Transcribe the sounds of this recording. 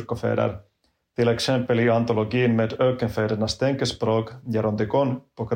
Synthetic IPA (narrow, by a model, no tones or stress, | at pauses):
ɾkɔfḛːd̪ə̰ɾ | t̪ɪlɛksɛmpəliant̪ɔlɔɡiːnmeːd̪øːkənfeːd̪əɳast̪ʰɛŋkəspɾoːkjaɾɔnd̪ɪkɔnpɔk